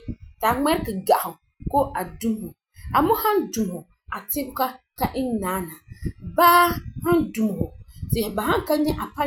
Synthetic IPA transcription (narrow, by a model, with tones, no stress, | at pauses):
ta˨ŋɛ˦ɾkɨ˨ɡa˨hʊ˨ | ko˦ʔa˨du˦m˦hʊ˨ | a˨mʊ˦ha˦ndu˨m˨hʊ˨ | a˨tɪ˦bʊ˦ka˦ | ka˦ʔɪ˦nnaː˨˦na˨baː˦ha˦ndu˨m˨hʊ˨zɪ˨hɪ˨ba˨ɦa˦ŋ˦ka˦ɲɛ˦ʔa˨pa˦